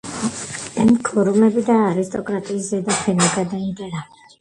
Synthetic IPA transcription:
ɛmkʰɔɾumɛbid̪aːɾist̪ʼɔkʼɾat̪ʼiːszɛd̪apʰɛnɔɡad̪aind̪ʼɛɾal

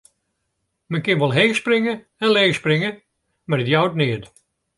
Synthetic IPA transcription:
mɛnkɪnʋɔlˠɦeːsprɪŋə | ɛnleːsprɪŋə | marədjawt̚nɪəd

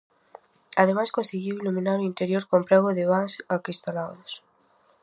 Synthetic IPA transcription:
aðemajskõnseɣiwilumĩnaɾoint̪eɾjoɾkompɾɛɣʊðɪβaŋsaɾkist̪anawðʊs

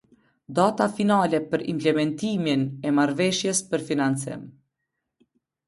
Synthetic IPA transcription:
d̪at̪afinalɛpəɾḭmplɛmɛnt̪iminɛmaɾvɛʃjɛspəɾfinansɪ̰m

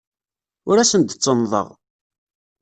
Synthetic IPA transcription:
ʊɾæsənd̪t͡sːənðˤə̰ʁ

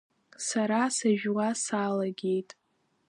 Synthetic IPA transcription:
saɾasaʒᶣwasalaɡʲe̞jtʼ

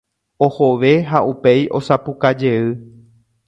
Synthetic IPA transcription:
o̞hoʋe̞ɦaupe̞jʔo̞sapukad͡ʒe̞ɨ

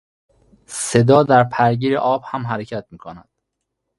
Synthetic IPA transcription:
se̞d̪ɒːd̪æɾpʰæɾɟiːɾḛʔɒːb̥hæmɦæɾecʰæt̪miːkʰonæd̪̥

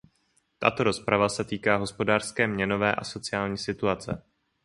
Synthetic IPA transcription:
t̪a̰t̪o̞ɾo̞spɾavasɛt̪iːkaːɦo̞spo̞daːr̥skɛːmɲɛno̞vɛːʔa̰so̞t͡sɪaːlɲiːsɪt̪uat͡sɛ

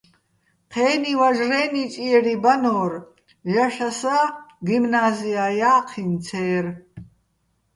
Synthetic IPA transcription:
qʰɛːnivaʒrɛːnit͡ʃʼiɛɾibanɔːr | jaʃasaɡimnaːziajaːqʰint͡sʰɛːr

